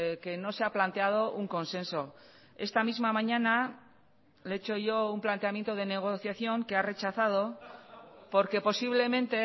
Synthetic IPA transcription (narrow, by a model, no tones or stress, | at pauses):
ke̞no̞se̞aplant̪e̞að̞o̞ʔuŋko̞nsẽ̞nso̞ | e̞st̪amizmamãɲana | leet͡ʃo̞ʝo̞umplant̪e̞amje̞nt̪o̞ð̞e̞ne̞ɣ̞o̞θjaθjo̞ŋke̞are̞t͡ʃaθað̞o̞ | po̞ɾke̞po̞siβle̞mẽ̞nt̪e̞